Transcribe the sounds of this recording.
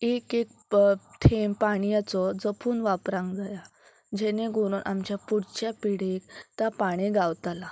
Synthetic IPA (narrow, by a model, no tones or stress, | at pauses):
ekek̚t̪ʰempaɽ̃ijat͡sɔd͡zəpʰuːnʋapɾãŋɡd͡zaja | d͡ʑɛneɡʱoɾuːnʔa̰mt͡ɕjapuɽt͡ɕjapiɽikt̪apaɽ̃eɡawt̪ala